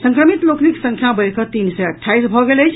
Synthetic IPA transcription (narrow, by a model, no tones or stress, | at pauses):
sə̃ŋkɾəmit̪lokniksə̃ŋkʰjabəɾkət̪insəjəʈʰːaisbʱɔɡeləjt͡ʃʰ